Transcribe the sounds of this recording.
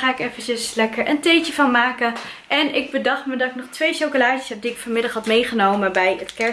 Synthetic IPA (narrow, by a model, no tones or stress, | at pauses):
aːɪkefəcəslɛkəɹʔəntejt͡ʃəvɑnmaːkən | ʔɛnɪɡ̚bədɑχtmədɑtɪk̚nɔχtʋejʃowkolaːsi̥sɦɛp̚diɪkfɔɹmɪdɑχɦɑtmejχənowməbɛjətkɛ